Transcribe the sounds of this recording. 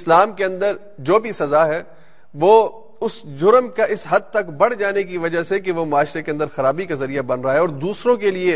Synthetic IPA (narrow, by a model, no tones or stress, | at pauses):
ɪslaːmkeɐ̃nd̪əɾ | d͡ʒoːbʱisɐzaɦɛ | ʋoː | ʊszʊɾəmkaʔɪsɦɐd̪̚t̪ɐkbɐɽ̤d͡ʒaːnek̬iʋɐd͡ʒasekeʋomʊaːʃɾekeɐ̃nd̪əɾxɐɾaːbikazɐɾijabɐnɾaɦeɔːɾd̪uːsɾõkelie